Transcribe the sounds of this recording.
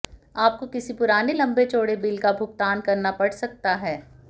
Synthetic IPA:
aːp̚kokɪsipʊɾaːnelɐ̃mbet͡ʃoːɽebɪlkabʱʊɡ̚t̪aːnkɐɾnapɐɽsɐk̚t̪aɦɛː

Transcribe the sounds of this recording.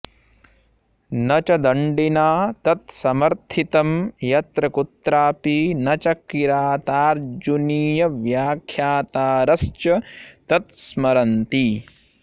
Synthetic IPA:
nɐt͡ʃɐd̪ɐɳɖinaːt̪ɐt̪sɐmɐɾt̪ʰit̪ɐmjɐt̪ɾɐkut̪ɾaːpinɐt͡ʃɐkiɾaːt̪aːɾd͡ʒuniːjɐʋjaːkʰjaːt̪aːɾɐst͡ʃɐt̪ɐt̪smɐɾɐnt̪i

